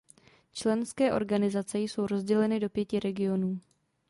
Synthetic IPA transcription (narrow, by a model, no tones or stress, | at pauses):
t͡ʃlɛnskɛːʔo̞̰ɾɡanɪzat͡sɛjso̞wɾo̞zɟɛlɛnɪdo̞pjɛcɪɾɛɡɪo̞nuː